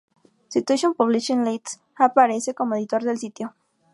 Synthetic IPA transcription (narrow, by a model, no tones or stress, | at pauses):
sit̪ueʃonpuβliʃĩnlet̪s | apaɾe̞se̞ko̞moeðit̪o̞ɾðe̞lsit̪jo